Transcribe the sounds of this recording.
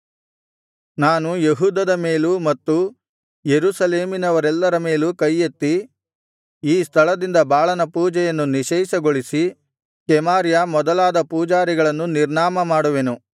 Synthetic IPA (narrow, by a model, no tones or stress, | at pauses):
naːnujeɦuːd̪ɐd̪ɐme̞ːlumɐt̪ːu | jeɾusɐleːminɐʋɐɾɛlːɐɾɐme̞ːlukɐjːet̪ːi | iːst̪ʰɐɭɐd̪ind̪ɐbaːɭɐnɐpuːd͡ʒɛjɐnːuniʃɛjsɐɡoɭisi | kɛmaːɾjamɔd̪ɐlaːd̪ɐpuːd͡ʒaːɾiɡɐɭɐnːuniɾɳaːmɐmaːɽuʋenu